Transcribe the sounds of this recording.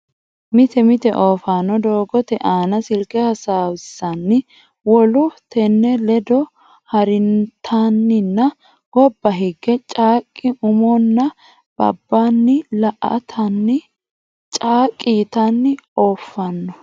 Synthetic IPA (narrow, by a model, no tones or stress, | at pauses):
mɪt̪ɛmɪt̪ɛ̰ʔoːfanːɔd̪oːɡɔt̪ɛʔaːnɐsɪlkɛhɐsaːwɪsːɐnːɪ | wɔlʊt̪ɛnːɛlɛd̪ɔ | hɐɾɪnt̪ʰanːɪnːɐ | ɡ̥ɔbːɐɦɪɡːɛt͡ʃʼaːkʼːɪʊmɔnːɐ | b̥ɐ̰bːanːɪlɐʔɐ̰t̪ʰɐnːɪ | t͡ʃʼaːkʼːiːt̪ɐnːɪoːfːɐnːɔ